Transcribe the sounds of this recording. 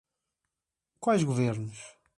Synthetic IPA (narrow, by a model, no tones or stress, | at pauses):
kwajʒɣuveɾnuʃ